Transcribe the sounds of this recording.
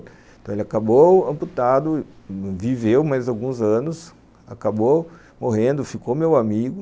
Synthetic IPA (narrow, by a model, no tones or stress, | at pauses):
t̪ɐ̃elɪakaboɐ̃put̪ad̪ʊvivewmajzawɡũzɐ̃nʊs | a̰kabo | moɦẽnd̪ʊfikomewamiɡʊ